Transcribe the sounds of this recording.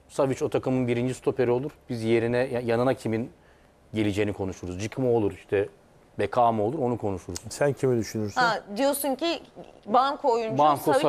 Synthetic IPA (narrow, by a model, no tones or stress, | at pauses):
savit͡ʃo̞t̪ʰakɯmɯnbiɾind͡ʒist̪ʰopʰe̞ɾio̞lˠuɾ̥bizje̞ɾinɛjajanɯnacʰimin | ɟe̞lʲid͡ʒeːinikʰo̞nuʃuɾuzd͡ʒɯkʰɯmo̞lˠuɾiʃt̪ʰɛ | bekʰaːmɯo̞lˠuɾo̞nukʰo̞nuʃuɾuz̥sæncʰimid̪yʃynyɾsad̪ijo̞suncibaŋkʰoojunbanko